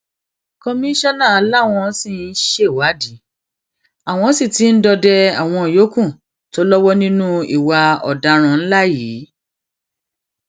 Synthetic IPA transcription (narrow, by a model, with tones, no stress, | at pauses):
kɔ˧mĩ˦ʃɔ˦nã˦˨a˧˦la˦˨w̃ɔ̃˧˦si˦˧˨ʃe˦˨wa˨˦di˨˦ | a˨w̃ɔ̃˧˦si˦˨ti˨˦n̩˦dɔ˧dɛ˧a̰˨w̃ɔ̃˧˨jo˨˦kũ˦˨ | to˦lɔ˦wɔ˦nĩ˦nũ˦ḭ˨wa˧ɔ̰˨da˧ɾ̃ã˧n̩˦la˦jiː˨˦